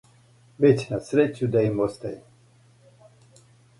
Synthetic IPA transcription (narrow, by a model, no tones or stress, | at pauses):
vet͡ɕʲnasɾet͡ʃud̪aimost̪aji